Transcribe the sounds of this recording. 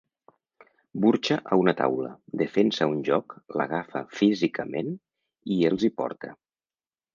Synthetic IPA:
buɾt͡ʃəʔəunət̪a̰wlə̰d̪əfensəunʲʒɔklə̰ɣ̞afəfizikʰəmen | ielˠzipɔ̰ɾt̪ə

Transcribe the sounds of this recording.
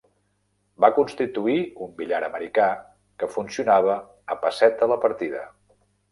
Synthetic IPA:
bakunst̪it̪uiumbiʎaɾəməɾika | kəfunsiunaβ̞əː | pəsɛt̪̚ələpəɾt̪iðə̰

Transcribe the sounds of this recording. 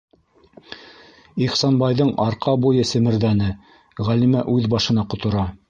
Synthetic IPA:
iχsɑnbɑjðɤɴɑɾqɑbujɤsɘ̆mɘ̆ɾðænɘ | ʁælimæʔʉðbɑʃɤ̆nɑqŏt̪ŏɾɑ

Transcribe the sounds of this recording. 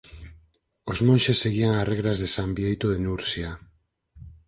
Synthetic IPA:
ozmonʃesːeɣiaŋareɣɾazðesambijejt̪oðenuɾsja

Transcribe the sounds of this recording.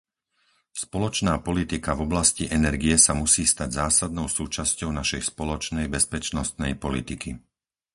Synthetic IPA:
spɔlɔt͡ʃnaːpɔlit̪ikavɔblasciʔɛnɛɾɡiɛsamusiːst̪aɟzaːsad̪̚nɔʊsuːt͡ʃascɔʊnaʃɛjspɔlɔt͡ʃnɛjbɛspɛt͡ʃnɔst̪nɛjpɔlḭt̪iki

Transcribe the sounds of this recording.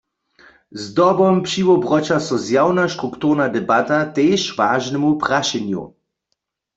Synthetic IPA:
zd̪ɔbɔmpʃiʋɔbʁɔt͡ʃasɔzjawnaʃtʁukt̪uʁnad̪ɛbat̪at̪eːʃʋaːʒnɛmupʁaʃɛnjṵ

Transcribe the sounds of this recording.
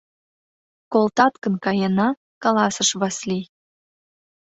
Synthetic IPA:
kolt̪ɑt̪kənkɑjenɑ | kɑlɑsəʃβɑsli

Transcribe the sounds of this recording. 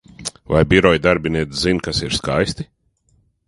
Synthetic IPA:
vajbiɾɔjd̪aɾbʲiniɛt̪szinkasiɾskajst̪i

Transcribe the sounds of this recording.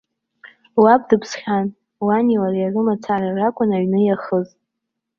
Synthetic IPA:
wab̚ʼdɨpʰsχʲan | waniwarjarɨmat͡sʰararakʷʼʊnaɥnɨjaχəz

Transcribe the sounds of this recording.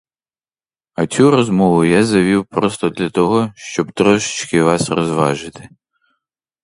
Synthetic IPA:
ɐt͡sʲuɾɔzmɔʋʊjazɐʋʲiwpɾɔst̪ɔd̪lʲɐt̪ɔɦɔʃt͡ʃɔbt̪ɾɔʃɪ̥t͡ʃkɪʋɑsrɔzʋɑ̰ʒɪt̪ɪ̥

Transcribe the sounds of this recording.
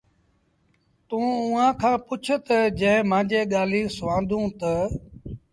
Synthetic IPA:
t̪ũːʊ̃ːãːkʰãːpʊt͡ʃʰʊt̪əd͡ʒə̃ːɦɪ̃mãːd͡ʒeːɠaːliːsʋãːnd̪ʱũːt̪ə

